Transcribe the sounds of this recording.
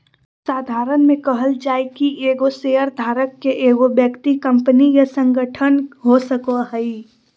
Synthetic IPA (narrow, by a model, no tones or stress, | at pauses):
saːd̪ʱaːɾənmẽkəɦəld͡ʒaːekiʔeːɡoseːəɾd̪ʱaːɾəkːeʔeːɡobjəkt̪ikə̃mpnijɐsə̃ŋɡəʈʰənɦosəkoɦəi